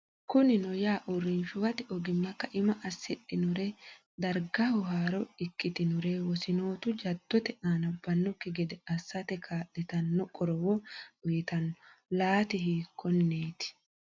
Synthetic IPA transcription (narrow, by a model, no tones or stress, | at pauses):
kkʊnɪnɔjaːʔʊrɾːɪnʃʊwɐt̪ɪɔɡɪnːɐkːɐʔɪmɐʔɐsːɪɗːɪnʊɾe | d̪ɐɾɡɐhʊɦaːɾɔɪkːɪt̪ɪnʊɾewɔsɪno̞ːt̪ʊd͡ʒɐd̪̥ːɔt̪ɛʔaːnɐbːɐnːɔkːɪɡɛd̪ɛɐsːɐt̪ɛkʰaːᶑɪt̪ɐnːɔkʼɔɾɔwɔʊjɪt̪ɐnːɔ̥laːt̪ɪɦiːkʰːɔnːeːt̪ɪ̥